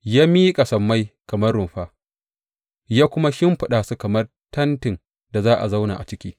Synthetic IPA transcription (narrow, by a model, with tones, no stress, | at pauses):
jaː˦miː˦kʼa˨sɐ˨mːa˦jkɐ˨mɐ˦rɽʊ˨mɸaː˦ | jaː˦kʷʊ˦ma˦ʃɪ˦mɸɪ˨ɗaː˨su˦kɐ˨mɐ˦r | tɐ˦ntɪ˨n | da˨zaː˦ʔa̰˨za˦wna̰˨ʔa˨t͡ʃɪ˦kʲiː˦